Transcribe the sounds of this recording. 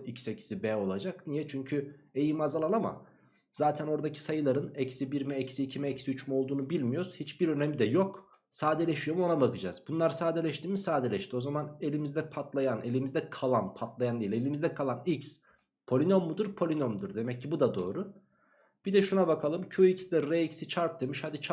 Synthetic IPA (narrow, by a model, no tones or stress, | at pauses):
icsecsibɛːo̞lˠad͡ʒaknijɛt͡ʃʰyɲcʰye̞jimazalˠanama̰ | z̥aːt̪ʰɛno̞ɾd̪acʰi̥sajɯlˠaɾɯnɛcsibiɾmɛɛcsiːcʰimɛɛsiyt͡ʃmɛo̞lˠd̪uːnubilʲmijoɾz̥hit͡ʃbiɾø̞nɛmid̪ɛjo̞k | saːd̪elʲeʃijo̞muo̞nabakɯd͡ʒa̰ːz̥bunlˠaɾsaːd̪elʲɛʃt̪ʰiːmisaːd̪elʲɛʃt̪ʰio̞zamane̞lʲimizd̪ɛpʰat̪lˠajanʔe̞lʲimizd̪ɛkʰalˠanpʰat̪lˠajanejlʲe̞lʲimizd̪ɛkʰalˠanics | pʰo̞lʲinomːud̪ɯɾpʰo̞lʲinomd̪ɯɾd̪e̞mɛcʰːibud̪ad̪o̞̰ːɾʊ | b̥id̪ɛʃunabakʰalˠɯmcʰuicsd̪ɛɾeicsit͡ʃʰaɾp̚d̪e̞miʃhad̪it͡ʃʰ